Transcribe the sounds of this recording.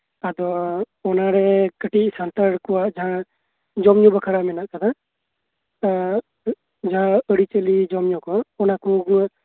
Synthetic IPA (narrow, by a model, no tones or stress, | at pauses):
əd̪ɔ | ɔnaɾɛkəʈisant̪əɽkɔaʔd͡ʒaɦã | d͡ʒɔmɲɔ̃bəkʰəɾamɛnaʔkəd̪a | d͡ʒaɦãəɽit͡ʃəlid͡ʒɔmɲɔ̃kɔaʔɔnakuɡ